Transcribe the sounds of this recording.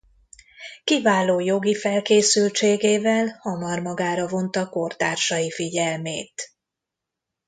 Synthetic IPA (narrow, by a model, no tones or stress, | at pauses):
kivaːloːjo̞ɡifɛlkeːsylt͡ʃeːɡeːvɛlhɒmɒrmɒɡaːɾɒvo̞nt̪ɒko̞rt̪aːrʃɒjifiɟɛlmeːt̪